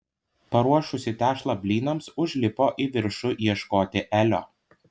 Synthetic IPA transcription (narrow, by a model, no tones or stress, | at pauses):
pɐɾuɔʃʊsʲɪt̪ʲæːʃlˠɐbʲlʲiːnɐmsʊʒʲlʲɪpoːʔiʋʲɪɾʃʊʔiɛʃkoːt̪ʲɪʔælʲo̰ː